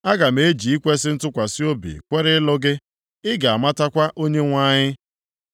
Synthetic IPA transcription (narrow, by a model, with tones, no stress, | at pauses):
a˦ɡa˨m̩e˦d͡ʒi˨i˦kʷe˦sɪ˦n̩˦tʊ˦kʷa˨si˦o˦bḭ˨kʷe˦ɾɪ˦ɪ˦lʊ˦ɡɪ˦ | ɪ˦ɡa˨a˨ma˦ta˦kʷa˦ʔo˦ɲe˦ŋʷa˦ɲɪ˦